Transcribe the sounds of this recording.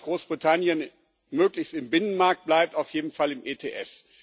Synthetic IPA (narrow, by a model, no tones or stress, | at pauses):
ɡ̥ʁoːsb̥ʁitʰanjən | møːklɪçstɪmbɪnənmaɐk̚t̚b̥laɪp̚taʊfjeːdn̩falɪmʔeːtʰeːʔɛs